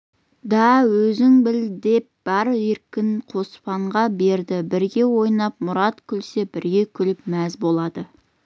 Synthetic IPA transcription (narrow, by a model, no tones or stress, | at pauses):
d̪ɑwɵzɪŋbɪld̪e̞p̚b̥ɑɾeɾkʲɪnqʰo̞spɑɴʁɑbe̞ɾd̪ɪbɪɾɡʲe̞wo̞jnɑp̚mʊɾɑt̪kʲʰʏlseb̥ɪɾɡʲe̞kʲʰʏlɪpmæzbo̞lˠɑd̪ə